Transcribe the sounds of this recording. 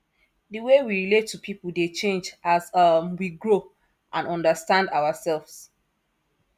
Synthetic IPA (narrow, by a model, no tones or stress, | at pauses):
dəwewiɹiletʰːupʰipəldet͡ʃẽnd͡ʒʔazʌmwiɡɹo | ʔãnɔ̃ndəstãndaʊasɛlvs